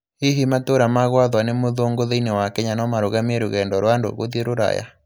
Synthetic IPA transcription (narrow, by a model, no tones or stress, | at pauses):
iɦimatoɾamaɣwaðwanemoðoŋɡoðeinewakɛɲanɔmaɾoɣamieɾoɣɛndɔɾwando̰ɣoðieɾoɾa̰ja̰